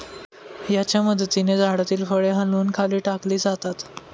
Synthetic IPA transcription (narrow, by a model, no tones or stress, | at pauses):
jat͡ɕjaməd̪t̪ined͡zaɽat̪iːlfəɭeɦəluːnkʰaliːʈakliːd͡zat̪at̪